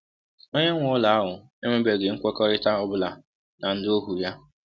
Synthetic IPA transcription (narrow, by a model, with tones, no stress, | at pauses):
o˦ɲe˦ŋʷʊ˦la˨a˦ɦʊ˨ | e˦me˦be˨ɡe˨ŋ̩˦kʷɔ˦kɔ˦ɾɪ˦ta˦ɔ˦bʊ˦la˨ | na˨n̩˦do˦ɦu˨ja˦